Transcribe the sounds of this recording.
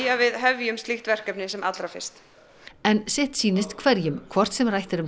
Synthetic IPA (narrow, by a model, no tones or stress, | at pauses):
avɪðɦɛvjʏmst̪liht̪vɛr̥kɛpnɪsɛmʔat̪lɾafɪ̰r̥st̪ | ɛnsɛht̪siːnɪst̪kʰvɛɾjʏmkʰvɔr̥t̪sɛmrajht̪ɪɾʏm